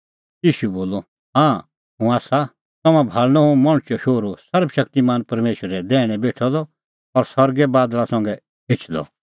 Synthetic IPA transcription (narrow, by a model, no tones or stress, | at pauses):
jiːʃuboːlɔ | ɦãː | ɦũaːsa | t̪ɐmãbʱaːɭnɔ̃ɦũmɔ̃ɽ̃t͡ʃɔʃoːɾosɐɾbʃɐk̚t̪imaːnpɐɾmeːʃəɾɛd̪ɛːɽ̃ɛbeːʈʰɔd̪ɔ | ɔɾsɐɾɡɛbaːd̪lasɐ̃ŋɡɛ | ɪt͡ʃʰd̪ɔ̰